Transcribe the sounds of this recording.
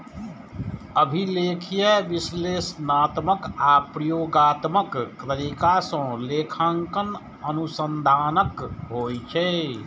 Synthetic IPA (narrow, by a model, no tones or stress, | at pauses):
əbʱileːkʰijeʋɪsleːsnaːt̪məkapɾəjoːɡaːt̪məkːɾəɾikasə̃leːkʰãŋkən | ənusə̃nd̪ʱaːnəkɦoːjt͡ʃʰɛ